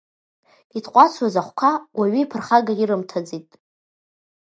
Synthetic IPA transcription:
itʰʼqʷʼat͡sʷʰwazaχʷkʷʰawaɥiipʰɨrχaɡaiɾɨmtʰad͡zitʼ

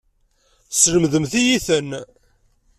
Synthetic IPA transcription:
sləmðəmθijiθən

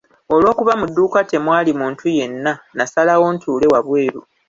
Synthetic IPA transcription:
o̞lwo̞ːkuβamudːuːkate̞mwaːlimuːntʰuje̞nːanasalawo̞ntuːle̞waβwe̞ːɾu

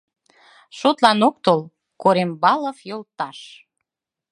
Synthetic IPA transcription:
ʃot̪lɑnok̚t̪ol | koɾembɑlə̆fjolt̪ɑʃ

